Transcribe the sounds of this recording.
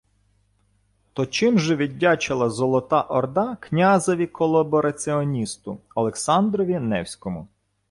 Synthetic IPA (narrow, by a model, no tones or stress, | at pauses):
t̪ɔt͡ʃɪmʒɛʋʲidʲːɑt͡ʃɪlˠɐzɔlˠɔt̪ɑʔɔrd̪ɑknʲazɔʋʲikʰɔlˠɐbɔɾɐt͡sʲɪɔnʲist̪ʊɐlˠeksɑnd̪ɾɔʋʲinɛwsʲkɔmʊ